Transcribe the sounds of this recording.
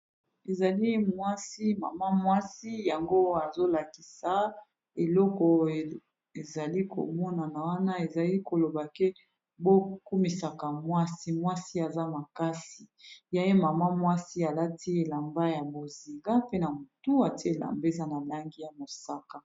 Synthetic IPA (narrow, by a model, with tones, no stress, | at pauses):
e˨za˨li˦mwa˦si˦ma̰˨ma˦mwa˦si˦ja˨ŋɡo˦a˨zo˦la˨ki˨sa˨ | e˨lɔ˦kɔ˨ | e˨za˨li˦ko̰˨mɔ˦na˨na˨wa˦na˦e˨za˨li˦ko˨lo˨ba˨kɛ˦ | bo˦ku˦mi˨sa˨ka˨mwa˦si˦mwa˦si˦a˨za˦ma˨ka˦si˨ja˦e˦ma˨ma˦mwa˦si˦a˨la˦ti˦e˨la˨mba˦ja˨bo˨zi˨ŋɡa˦pe˦na˨mo˨tu˦a˨te˨la̰˨mbe˦za˦na˨la˦ŋɡi˦ja˨mo˨sa˦ka˨